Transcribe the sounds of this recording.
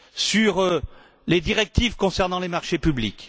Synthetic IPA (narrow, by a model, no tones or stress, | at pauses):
syʁ | led̪iʁɛk̚t̪ivkɔ̃sɛʁnɑ̃lemaʁʃepyblik